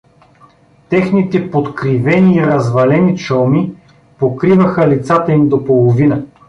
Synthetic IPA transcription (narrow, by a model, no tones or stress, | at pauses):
t̪ɛxnit̪ɛpot̪kɾivɛniːɾɐzvɐlɛnit͡ʃɤlˠmi | pokɾivɐxəlit̪sat̪ɐimd̪opolˠovinə